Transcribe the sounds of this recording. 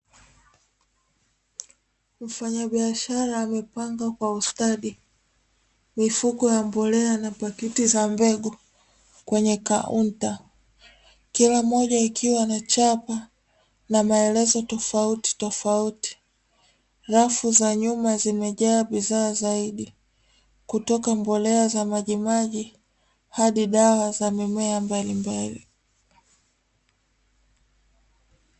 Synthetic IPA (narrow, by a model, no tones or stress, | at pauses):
m̩faɲaɓiaʃaɾaːmɛpaŋɡakwaustaɗi | mifukɔjambɔlɛanapakitizambɛɡu | kwɛɲɛkaunta | kilamɔʄaikʰiwanat͡ʃapa | namaɛlɛzɔtɔfauti̥tɔfauti̥ | ɾafuzaɲumazimɛʄaːɓiðaːzaiɗi | kutɔkambɔlɛazamaʄimaʄi | haɗiɗawazamimɛambalimbali